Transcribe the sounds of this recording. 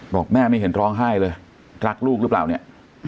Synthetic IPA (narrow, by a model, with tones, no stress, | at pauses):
bɔː˨˩k̚mɛː˥˩ma˥˩jɦe˩˦nɾɔː˦˥ŋɦa˥˩jlɤː˧j | ɾa˦˥˩k̚luː˥˩k̚ɾɯ˦˥pla̰ː˨˩wni˦˥˩ɐ